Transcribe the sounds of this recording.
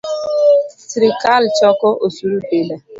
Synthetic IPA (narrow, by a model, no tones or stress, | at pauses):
siɾikalt͡ʃɔkʊʔosuɾupele